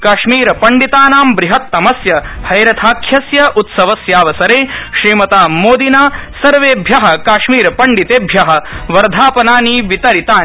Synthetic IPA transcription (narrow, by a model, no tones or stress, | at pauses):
kaːʃmiːɾɐpɐɳɖit̪aːnaːmbɾiɦɐt̪ːɐmɐsjɐhɐjɾɐt̪ʰaːkʰjɐsjɐʔut̪sɐʋɐsjaːʋɐsɐɾeːʃɾiːmɐt̪aːmoːd̪inaːsɐɾʋeːbʱjɐɦɐ̆kaːʃmiːɾɐpɐɳɖit̪eːbʱjɐɦɐ̆ʋɐɾd̪ʱaːpɐnaːniʋit̪ɐɾit̪aː